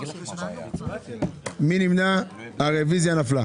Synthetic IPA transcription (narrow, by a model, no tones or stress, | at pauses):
mĩnĩminaː | ɾeviziãnafla